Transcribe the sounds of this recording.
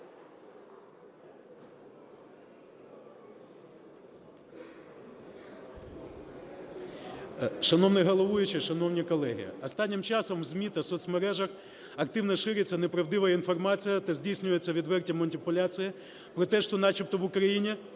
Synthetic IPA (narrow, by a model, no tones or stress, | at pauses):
ʃɐnɔwnɪɦɔlˠɔʋujʊt͡ʃɪʃɐnɔwnʲikɔlˠɛɦʲḭɔst̪ɑnʲːɪmt͡ʃɑsɔmwzʲmʲit̪ɐsɔt̪sʲmeɾɛʒɐx | ɐk̚t̪ɪwnɔʃɪɾʲet͡sʲːɐnepɾɐwd̪ɪʋɐinfɔrmɑt͡sʲijɐt̪ɐzʲdʲijsʲnʲʊjet͡sʲːɐʋʲid̪ʋɛrtʲɐmɐnʲipʊlʲat͡sʲijɪ | pɾɔt̪ɛʃt̪ɔnɑt͡ʃip̚t̪ɔʋʊkɾɐjinʲi